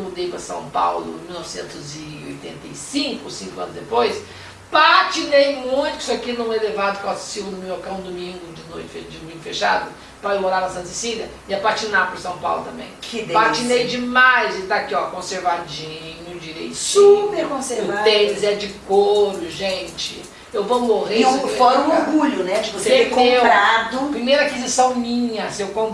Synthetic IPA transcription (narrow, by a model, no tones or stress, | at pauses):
mud̪ejpɾɐsɐ̰̃w̃pa̰wlʊ̰̃miwnɔvɪsḛ̃nt̪ʊzɪ | o̰jt̪ḛ̃nt̪ɐjsĩŋkʊsĩŋkʊɐ̃nʊzd̪epojs | pat͡ʃinejmũj̃t̪ʊki̥soakinɐ̃w̃ɛlevad̪ʊkewassivʊnʊmewokɐ̃w̃d̪umĩŋɡʊd͡ʒɪnojt͡ʃɪ̥fed͡ʒɪd̪umĩŋɡʊfeʃa̰d̪ʊ | pɾaemoɾaɾɐsɐ̃nt̪isidɐ | ɪɐpat͡ʃinapʊɾsɐ̃w̃pa̰wlʊt̪ɐ̃mbḛ̃j̃kɪd̪pat͡ʃinejd͡ʒɪmajzet̪akiɔkõseɾvad͡ʒĩɲʊd͡ʒiɾḛjsupeɾkõseɾvad̪ẽzɛd͡ʒɪkoɾʊʒẽt͡ʃɪ | ewvowmoʁefɔɾɐ̃ũoɾɡuʎʊnɛd͡ʒɪvoseeekepɾad̪ʊpɾimejɾɐakizisɐ̃w̃mĩɲɐsewkõ